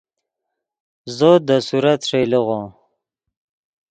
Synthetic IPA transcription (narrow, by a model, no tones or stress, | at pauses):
zod̪əsuɾat̪ʂejləɣõ